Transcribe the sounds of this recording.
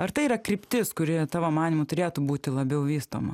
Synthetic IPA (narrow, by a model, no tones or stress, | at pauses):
ɐrt̪ɐɪiɾɐkɾʲɪpʲt̪ʲɪskʊɾʲɪt̪ɑːʋoːmɑːnʲimʊt̪ʊɾʲeːt̪uːbuːt̪ʲɪlˠɐbʲɛʊʋʲiːst̪o̰ːmɐ